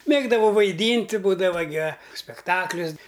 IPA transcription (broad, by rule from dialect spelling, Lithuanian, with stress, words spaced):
ˈmʲeːɡdɐʋɐʊ ʋɐɪˈdʲiːnʲtʲɪ ˈbuːdɐʋɐ ɡʲɪ ɐ sʲpʲɛkˈtɑːklʲʊs